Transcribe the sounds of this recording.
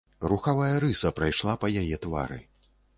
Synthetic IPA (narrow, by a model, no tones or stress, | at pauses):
ruxavajɐɾɨsɐpɾajʂlˠapɐjajɛt̪va̰ɾɨ̰